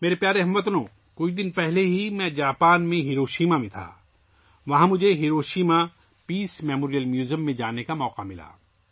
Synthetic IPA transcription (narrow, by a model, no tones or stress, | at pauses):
meːɾepjaːɾeɦɐmʋət̪nõː | kʊid̪ɪnpɛɦleɦimɛ̃d͡ʒaːpaːnmẽɦɪɾoːʃiːmamẽt̪ʰa̰ː | ʋɐɦãmʊd͡ʒʱeɦiɾoːʃiːma | piːsmɛːmoːɾijəlmjuːzəmːẽd͡ʒaːnekamɔːqamɪla̰ː